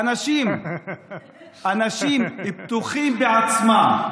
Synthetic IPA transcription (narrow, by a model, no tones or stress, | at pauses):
anaʃim | anaʃimhipt̪uχimbeat͡smam